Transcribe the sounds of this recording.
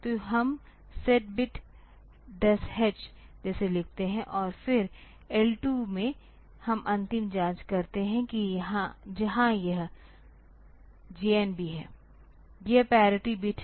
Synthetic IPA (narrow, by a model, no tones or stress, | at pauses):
t̪oɦɐm | seʈ̚bɪʈ | d̪ɐshɛd͡ʒd͡ʒɛːselɪk̚ʰt̪eɦɛ̃ʔɔːɾfɪɾ | ɛlʈumẽ | hɐmʔɐ̃nt̪ɪmd͡ʒãːnt͡ʃkɐɾt̪eɦɛ̃kijɦãd͡ʒɐɦãjɐɦ | d͡ʒiːenbʱiɦɛː | jɐɦpɛːɾɪʈibɪʈʰ